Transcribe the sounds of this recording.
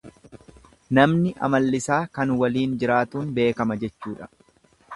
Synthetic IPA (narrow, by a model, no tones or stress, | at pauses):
nɐmnɪʔɐ̰mɐlːɪsaːkɐnwɐliːnd͡ʒɪɾaːt̪uːnbe̞ːkɐmɐd͡ʒɛt͡ʃːuːᶑɐ̥